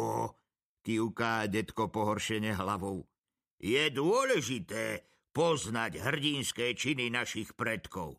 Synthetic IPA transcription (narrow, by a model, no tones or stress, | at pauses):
ɔ | kiukaːɟɛt̪kɔpɔɦɔɾʃɛɲɛɦlaʋɔʊ | jɛd̪ʊɔlɛʒit̪ɛː | pɔznaɟɦr̩ɟinskɛːt͡ʃininaʃixpɾɛt̪kɔ̰ʊ